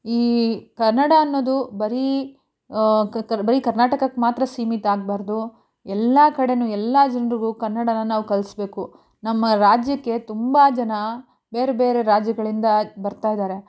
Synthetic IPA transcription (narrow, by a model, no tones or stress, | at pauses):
iːkɐɾnɐɽɐːnːo̞ːd̪ubɐɾi | ɐbɐɾikɐɾnaːʈɐkɐkːmaːt̪ɾɐsiːmit̪aːɡ̚baːɾd̪u | ɛlːaːkɐɽe̞nuɛlːaːd͡ʒɐnɐɾiɡukɐɾnːɐɽɐnɐnaːʋukɐlsbe̞ːku | nɐmːɐɾaːd͡ʒjɐkːe̞t̪umbad͡ʒɐnɐ | be̞ːɾebeːɾe̞ɾaːd͡ʒjɐɡɐɭind̪ɐbɐɾt̪aːjd̪aːɾe̞